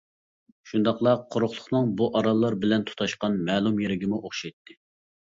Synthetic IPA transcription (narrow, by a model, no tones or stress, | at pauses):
ʃund̪ɑqlˠɑqʰːoɾʊχlˠʊχnɨŋbuʔɑɾɑlˠːɑɾbɪlɛnt̪ʰu̥t̪ʰɑʃqɑnmɛːlˠumjeɾɪɡʲɪmuʔoχʃɑjt̪ːɪ